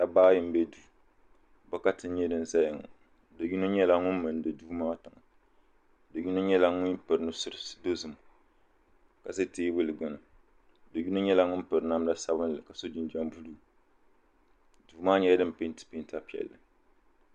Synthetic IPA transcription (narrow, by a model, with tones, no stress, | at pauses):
ta˨baː˦jɪ˨m̩˦bɛ˦du˦ | bɛ˦ka˦tɨ˦n˦ɲɛ˦dɨ˦n˨za˦jɪ˨ŋa̰˨ | dɨ˨ɡi˦no˦ɲɛ˦la˦ŋʊ˦m˦mɨ˨n˦dɨ˨duː˦maː˦tɨ˨ŋa˨ | dɨ˨ɡi˦no˦ɲɛ˦la˦ŋʊ˦npɨ˨ɾɨ˨nɨ˦sɨ˦ɾsdo˦zɨ˨m˨ | ka˨zɨ˦teː˦bɨ˦lɨ˨ɡʊ˨nɨ˨ | dɨ˨ɡi˦no˦ɲɛ˦la˦ŋʊ˦n˦pɨ˨ɾɨ˨na˦mla˦sa˦bɨ˦n˨lɨ˨ka˨so˦d͡ʒi˦n˦d͡ʒa˦m˦bu˦lu˦ | duː˨˦maː˦ɲɛ˦dɨ˦m˨pɪ˦n˦tɨ̥˨pi˦n˦ta˦pi˨ɛ̰˨lːɨ˨